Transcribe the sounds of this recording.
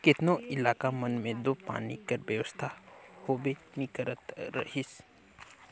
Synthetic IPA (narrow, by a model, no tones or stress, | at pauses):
kɪt̪nõʔɪlaːkamɐnmẽd̪oːpa̰ːnḭkɐɾbjəʋəst̪ʰahoːbenikəɾət̪ɾɐ̰hɪs